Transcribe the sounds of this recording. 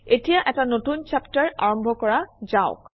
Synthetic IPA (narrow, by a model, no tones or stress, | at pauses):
etijaʔɛtanotunt͡ʃaptaɹa̰ɹɔmbʱɔkɔɹazaʊk̚